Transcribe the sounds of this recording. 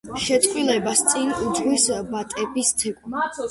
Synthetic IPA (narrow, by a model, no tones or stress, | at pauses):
ʃɛt̪ʰʼχʼwilɛbast̪sʼinud̪ʁwisbat̪ʼɛbist̪ʰɛkʼ